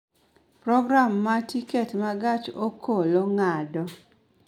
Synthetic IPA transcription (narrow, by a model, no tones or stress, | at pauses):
pɾɔɡɾamːatiketmaɡat͡ʃokʰoloŋadɔ